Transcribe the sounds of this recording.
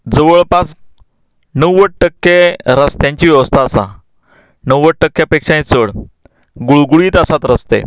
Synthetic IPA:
d͡zəʋəɭpat͡s | nəwʋəʈ̚ʈəkːeɾəst̪jãɲt͡ɕiːʋjəʋəst̪ʰaːsa̰ | nəwʋəʈ̚ʈəkːjapekʂãj̃t͡səɭ | ɡuɭɡuɭiːt̪əsat̪ɾəst̪ḛ

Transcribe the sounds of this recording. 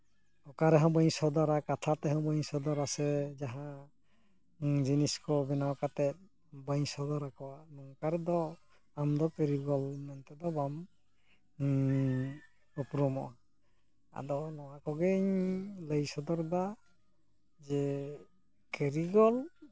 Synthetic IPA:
ɔkaɾɛɦɔ̃bɔɲsɔd̪ɔɾakat̪ʰat̪ɛhɔ̃wbɔɲsɔd̪ɔɾasɛzaɦã | ziniskɔbɛnawkat̪ɛt̪̚ | bɔɲsɔd̪ɔɾakɔwanɔŋkaɾɛd̪ɔ | amd̪ɔkeɾiɡɔlmɛnt̪ɛd̪ɔbam | ɔpɾɔmɔʔa | a̰dɔnɔwakɔɡeɲləjsɔd̪ɔɾba | zɛ | keɾiɡɔl

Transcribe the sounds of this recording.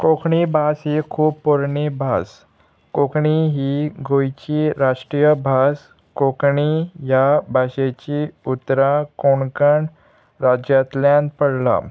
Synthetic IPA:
kokɳibʱasɦikʰuːppːuɾɳibʱas | kokɳiɦiɡojt͡ɕiɾaʂʈɾijəbʱas | kokɳijabʱaɕet͡ɕiut̪ːɾakoɳkəɳ | ɾad͡ʑjat̪ljãnd̪̚pəɽla̰

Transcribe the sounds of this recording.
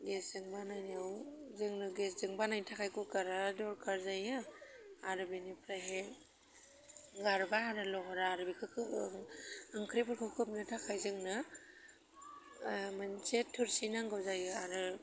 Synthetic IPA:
ɡeszɯŋbanajnawzɯŋnɯɡes̬zɯŋbanajnitʰakʰajkukaɾadɔɾkʰaɾzajɯaɾɯbinipʰɾaɦe | ɡaɾbaaɾɯlɔɦɔɾaːɾɯbikʰɯkʰɯŋaŋkʰɾipɯɾkʰɯkʰɯp̚nɯtʰakʰajzɯŋnɯ | mansetʰːuɾsinaŋɡawzajɯaɾɯ

